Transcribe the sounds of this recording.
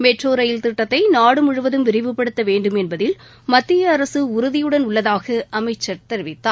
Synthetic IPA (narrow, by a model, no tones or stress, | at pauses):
mɛʈroːɾɐjɪlt̪ɪʈːɐt̪ːɐɪnaːɽɯmʊɻɯʋɐðɯmʋɪɾɪʋɯpːɐɽɯt̪ːɐʋeːɳɖɯmɛnbɐðɪl | mɐt̪ːɪjɐːɾɐsɯʊɾʊðɪjɯɽɐnʊɭːɐðaːɣɐʔɐmɐɪt͡ʃːɐɾt̪ɛɾɪʋɪt̪ːaː